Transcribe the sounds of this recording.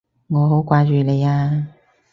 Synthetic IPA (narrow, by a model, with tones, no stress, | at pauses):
ŋɔː˨˧ɦo˨˥wkʷaː˧t͡ʃyː˨le˨˧jaː˧